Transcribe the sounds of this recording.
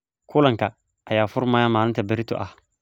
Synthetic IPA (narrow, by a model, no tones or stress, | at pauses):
kʰulaŋkaː | jaːfuɾmajamaːlantɛbɛɾitṵʔa